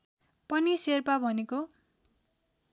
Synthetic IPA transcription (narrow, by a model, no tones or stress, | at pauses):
pʌniserpabʱʌneko